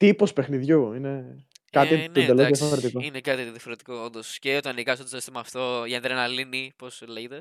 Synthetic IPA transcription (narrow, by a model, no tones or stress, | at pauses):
t̪ipospexniðʝuine | kɐt̪int̪od̪elozðjɐfoɾet̪ikoinekɐt̪iðjɐfo̞ɾet̪i̥ko̞ond̪osceot̪oɐnikɐsot̪ssi̥st̪imɐːft̪o̞ʝɐnt̪eɾenɐliniposleʝet̪e